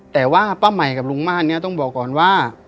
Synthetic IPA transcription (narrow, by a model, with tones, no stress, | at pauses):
t̪ɛː˨˩waː˥˩paː˥˩ma˨˩jka˨˩p̚lu˧˥˦ŋmaː˥˩ni˥˩˨t̪ɔ˥˩ŋbɔː˨˩kːɔː˨˩nwaː˥˩